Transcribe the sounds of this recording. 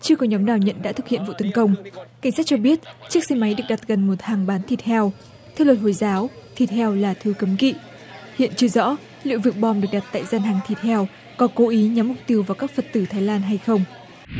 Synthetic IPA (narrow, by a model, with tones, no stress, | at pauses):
t͡ɕɨ˧əkɔ˨˦ɲɔ˨˦mnaː˨˩wɲə̰˧˨nɗa̰ː˧˥t̪ʰɨ˨˩k̚hḭ˧˨ənv̰t̪ə˨˦nkə˧wŋ͡mka˨˧˩ŋ̟saː˦˥t̚t͡ɕɔ˧ɓi˦˥ət̚t͡ɕɨ˦˥ək̚sɛ˧ma˨˦jɗɨ˨˩ək̚ɗa˨˩t̚ɣə˨˩nmo˨˩t̚haː˨˩ŋɓaː˨˦nt̪ʰi˨˩ət̚hʰɛ˧w | t̪ʰɛ˧wlə˨˩ho˧˩jzaː˨˦wt̪ʰi˨˩t̚hɛ˧wlaː˨˩t̪ʰɨ˧kə˨˦mkḭ˧˨ | hḭ˧˨ənt͡ɕɨ˧əzɔ̰˧˥ | lḭ˧˨wvɨ˨˩ək̚ɓɔ˧mɗɨ˨˩ək̚ɗa˨˩t̚t̪a̰ː˧˨jzaː˧nɦaː˨˩ŋt̪ʰi˨˩t̚hʰɛ˧w | kɔ˨˦ko˨˦ʔi˨˦ɲaː˨˦mːʊ˨˩k͡p̚t̪i˧əwvaː˨˩wkaː˦˥k̚fə˨˩t̚t̪ɨ˧˩t̪ʰaː˨˦jlaː˧nɦa˧jxə˧wŋ͡m